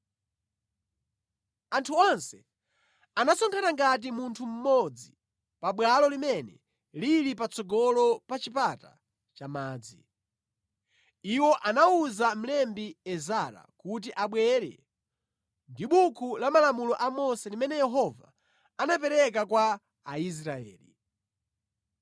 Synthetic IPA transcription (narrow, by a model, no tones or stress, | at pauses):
antʰuɔnsɛ | anasɔŋkʰanaŋɡat̬imuntʰum̩mɔd͡zi | paɓwalɔlimɛnɛ̰ | liɾipat͡sɔɡɔlɔpat͡ʃipata̰ | t͡ʃamaːd͡zi | iwɔʔanauzam̩lɛmbiɛzaɾa̰kut̬iʔaɓwɛɾɛ̰ | ndiɓukʰulamalamulɔʔamɔsɛlimɛnɛjɛɦɔva̰ː | nap̬ɛɾɛk̬akwaː | is̬ɾaɛ̰ːli